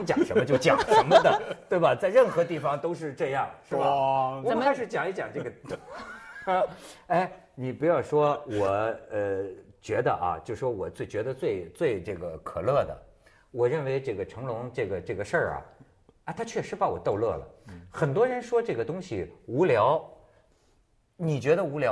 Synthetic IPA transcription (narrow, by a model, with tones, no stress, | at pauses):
t͡ɕjɑ˨˩ŋʂə˧˥nmə˧t͡ɕjo˥˩ʊt͡ɕjɑ˨˩ŋʂə˧˥nmə˧d̪ə˨˧t̪we˥˩ɪbɐ˩t͡sa˥˧ɪɻə˥˩nxɤ˧˥t̪i˥˩fɑ˨˩ŋt̪o˥ʊʂ̬ɻ̩˥˧ʈ͡ʂɤ˥˧jɑ˥˩ŋʂɻ̩˥˩bə˨˩˨xa˥ʂɻ̩˥˩t͡ɕjɑ˨˩ŋi˧˥t͡ɕjɑ˨˩ʈ͡ʂɤ˥˩ɡə˩ | a˥˩ɪ | ni˨˩pu˧˥jɑ˥˩ʊʂwɔ˥wɔ˨˩˦ə˧t͡ɕɥɛ˧˥d̪ə̰˧ʔɐ̰˧t͡ɕjo˥˧ʊʂʂwɔ˥wɔ˨˩t͡swe˥˩ɪt͡ɕɥɛ˧˥d̪ə˧t͡swe˥˧ɪt͡swe˥˧ɪʈ͡ʂɤ˥˩ɡə˩kʰɤ˨˩lɤ˥˩d̪ə̰˩ | wɔ˨˩ɻə˥˩nwe˧˥ɪʈ͡ʂɤ˥˩ɡə˩ʈ͡ʂʰɤ˧˥ŋlʊ˧˥ŋʈ͡ʂɤ˥˩ɡə˩ʈ͡ʂɤ˥˩ɡə˩ʂə˥˩ɐ̰˩ | a˥˧t̪ʰa˥t͡ɕʰɥɛ˥˩ʂɻ̩˧˥pa˧˥wɔ˨˩t̪o˥˧ʊlɤ˥˩lə̰˩xə˨˩nt̪̬wɔ˥ɻə˧˥nʂwɔ˥ʈ͡ʂɤ˥˩ɡə˩t̪ʊ˥ŋɕi˨˩u˧˥ljɑ˧˥ʊ | ni˨˩t͡ɕɥɛ˧˥d̪ə˧u˧˥ljɑ˧˥